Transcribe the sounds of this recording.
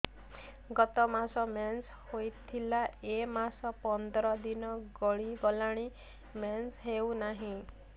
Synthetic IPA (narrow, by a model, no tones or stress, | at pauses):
ɡɔt̪ɔmasɔmans | hojt̪ʰilaemasɔpɔnd̪ɾɔd̪inɔɡɔɭiɡɔlaɽ̃i | mansɦewnaɦĩ